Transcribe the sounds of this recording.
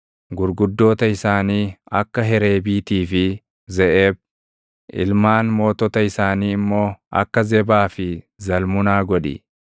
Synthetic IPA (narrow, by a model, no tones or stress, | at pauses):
ɡʊɾɡʊd̪ːo̞ːt̪ɐɪsaːniːɐkːɐɦɛɾe̞ːbiːt̪iːfɪ | zɛʔeːb̚ | ʔɪ̰lmaːnmo̞ːt̪ɔt̪ɐɪsaːniːɪmːo̞ːʔɐ̰kːɐzɛbaːfɪ | zɐlmʊnaːɡɔᶑɪ̰